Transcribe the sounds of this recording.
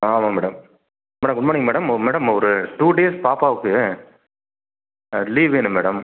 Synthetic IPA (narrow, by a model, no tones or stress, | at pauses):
aːmaːmɛːɽɐm | mɛːɽɐmɡʊɳbaːɳɪŋːɡɐmɛːɽɐmmɛːɽɐmɔɾɯʈuːɖeːspaːpaːʋɯkːɯ | liːʋeːnɯmeːɽɐm